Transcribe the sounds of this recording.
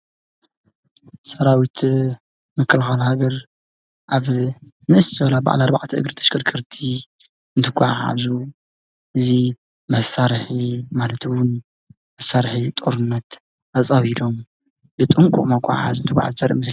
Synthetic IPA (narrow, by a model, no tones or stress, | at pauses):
sɐɾawit̪ʰ | mɨkʰːɨlxalhaɡɐɾ | ʔaβ | nɨʔsbɐlaba̰ʕalaɾba̰ʕt̪ʰɐʔɨ̰ɡɾɨt̪ʰɐ̥ʃkʰɨɾkʰɨɾt̪ʰi | ɨnt̪ʰɨɡʷʼaʕaʕa̰zu | ʔɨzi | mɐsaɾħimalɐt̪ʰɨwʊn | mɐsːaɾħit̪ʼoɾɨnːɐt̪ | at͡sʼaβid̪o̞m | bɨt̪ʼɨŋkʷʼṵʔʼmɐkʷʼːa̰ʕa̰ʕa̰zunt̪ɨkʷʼʕa̰zzɐɾʔms